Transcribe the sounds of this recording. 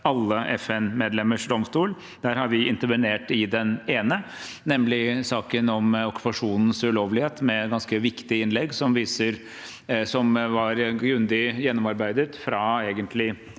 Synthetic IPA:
ɑlːəʔɛfɛnmeːd̪lɛmːəʂɖ̪ɔmst̪uːl | d̪̥æːɾhɑɾʋɪɪnt̪əɾʋəneːʈɪd̪ɛneːnə | nɛmːlɪsɑːkənɔmɔkʉ̥pɑʂuːnn̩sʉloːʋlɪheːt̪mɛɡɑnskəʋɪkt̪ɪɪnlɛɡsɔmʋiːsəɾ | sɔmʋɑɾɡɾʉnd̪ɪjɛnːɔmɑɾbæɪd̪ət̪fɾɑeːɡənt̪ʰlɪ

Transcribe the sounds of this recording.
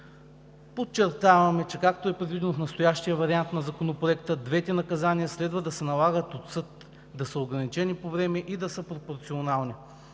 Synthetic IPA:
pot͡ʃːɛɾt̪avɐmɛt͡ʃɛkak̚t̪oɛpɾɛd̪vid̪ɛnofnɐst̪ojaʃt̪ijəvɐɾiant̪nɐzɐkonopɾoɛkt̪əd̪vɛt̪ɛnɐkɐzaniəslɛd̪vəd̪ɐsɛnɐlˠaɡət̪ot̪sɤt̪ | d̪ɐsəoɡɾɐnit͡ʃɛnipovɾɛmɛʔid̪ɐsəpɾopoɾt̪sionalˠni

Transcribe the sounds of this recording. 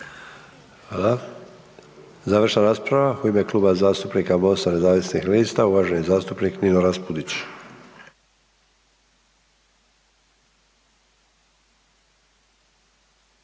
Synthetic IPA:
xaːla | zaːʋər̩ʃnaɾaːspɾaʋauime̞kluːbazaːst̪upnikamo̞st̪ane̞zaːʋisnixliːst̪auʋaʒeɲezaːst̪upnikninoɾaspud̪it͡ɕ

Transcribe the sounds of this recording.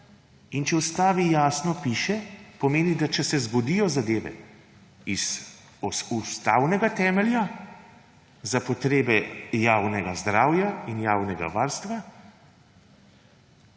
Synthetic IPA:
int͡ʃɛɔst̪aːʋijaːsnɔpiːʃɛpɔmeːnid̪at͡ʃɛsɛzɡɔd̪iːjɔzad̪eːʋɛ̰ | iz̥ | ɔust̪a̰ːwnɛɡat̪ɛːmɛlja | zapɔt̪ɾeːbɛjaːwnɛɡazd̪ɾaːwjainjaːwnɛɡa̰ʋaːɾst̪ʋa

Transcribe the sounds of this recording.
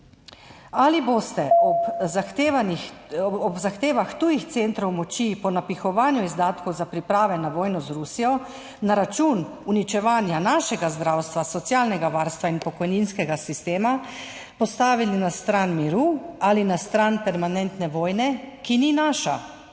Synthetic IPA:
alibost̪ɛɔpaxt̪eʋaniɔbzaxt̪eːʋaxt̪uːjixt̪sent̪ɾɔwmɔt͡ʃipɔnapixɔʋaːnjɔizd̪aːt̪kɔwzapɾipɾaːʋɛnaʋɔːjnɔzɾusijɔ | naɾat͡ʃuːn | unit͡ʃɛʋaːnjanaʃɛɡazd̪ɾawst̪ʋasɔt̪sjaːlnɛɡaʋaːɾst̪ʋainpɔkɔjninskɛɡasist̪eːma | pɔst̪aːʋilinast̪ɾaːnmiɾualinast̪ɾaːnpɛɾmanɛnt̪nɛʋɔːjnɛkininaːʃa̰

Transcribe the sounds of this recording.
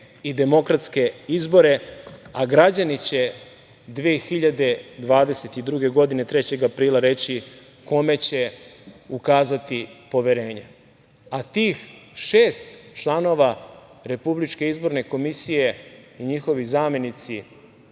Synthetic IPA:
id̪e̞mo̞kɾat̪ske̞izbo̞ɾe̞aɡɾad͡ʑanit͡ɕe̞ | d̪ʋeːxiʎad̪e̞d̪ʋaːd̪e̞se̞t̪id̪ɾuɡeɡo̞d̪inet̪ɾe̞t͡ɕe̞ɡapɾiːlaɾe̞t͡ɕi | ko̞me̞t͡ɕe̞ukaːzat̪ipo̞ʋe̞ɾe̞ːɲe̞ | at̪iːxʃeːst̪t͡ʃlˠano̞ːʋaɾe̞publit͡ʃke̞izbo̞ɾne̞ko̞misije̞iɲixo̞ʋizaːme̞nit̪si

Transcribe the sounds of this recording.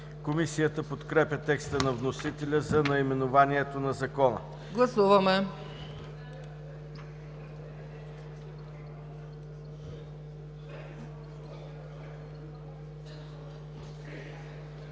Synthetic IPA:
komisijət̪əpot̪kɾɛpʲət̪ɛkst̪ənɐvnosit̪ɛlʲəzɐnɐimɛnovaniɛt̪onɐzɐkɔnə̰ | ɡlˠɐsuvɐmɛ

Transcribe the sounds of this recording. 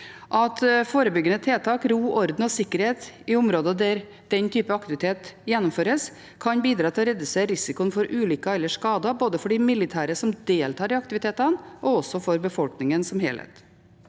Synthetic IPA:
ʔɑt̪foːɾəbʏɡːənət̪ʰeːt̪ʰɑːkɾuːʔɔɾd̪n̩ɔsɪkːəɾheːt̪ɪʊmɾoːd̪əd̪æɾ | d̪̥ɛnt̪ʰyːpəɑkt̪ɪʋɪt̪ʰeːt̪jɛnːɔmføːɾəs | kʰɑnbiːd̪ɾɑːt̪ʰɪlɔɾɛd̪ʉseːɾɪsɪkʊənfɔɾʔʉːlʏkɑɛlːəʂkɑːd̪ɑboːd̪əfɔɖɪmɪlɪt̪ʰæːɾəsɔmd̪eːlt̪ʰɑːɖɪɑkt̪ɪʋɪt̪ʰeːt̪ɑnʔɔɔsːɔfɔɾbəfɔlknɪŋənsɔmheːlhḛt̪

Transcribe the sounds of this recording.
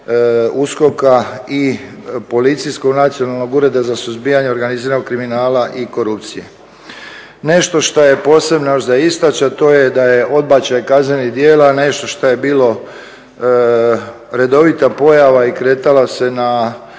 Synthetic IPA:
usko̞kai | po̞lit̪sijsko̞ɡnat̪sio̞nalˠno̞ɡuɾe̞d̪azasuzbiːaɲeoɾɡaniziːɾanoɡkɾiminaːlaʔiko̞ɾup̚t̪sijḛ | ne̞ʃt̪o̞ʃt̪oje̞po̞ːse̞bnojoʒd̪aist̪at͡ɕat̪o̞ːjed̪ajeʔo̞d̪̚bat͡ɕajkazne̞nid̪je̞ːlane̞ʃt̪o̞ʃt̪oje̞biːlo̞ | ɾe̞d̪o̞ʋit̪apo̞jaʋaikɾeːt̪alase̞na

